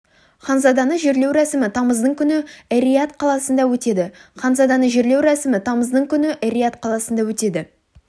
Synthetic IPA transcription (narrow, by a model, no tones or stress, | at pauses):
χɑnzɑd̪ɑnəʒe̞ɾle̞wɾɑsɪmɪt̪ʰɑməzd̪əɴkʲʰʏnɪeɾijat̪qʰɑlˠɑsənd̪ɑwɵt̪e̞d̪ɪχɑnzɑd̪ɑnəʒe̞ɾle̞wɾɑsɪmɪt̪ʰɑməzd̪əɴkʲʰʏnɪʔeɾijat̪qʰɑlˠɑsənd̪ɑwɵt̪e̞d̪ɪ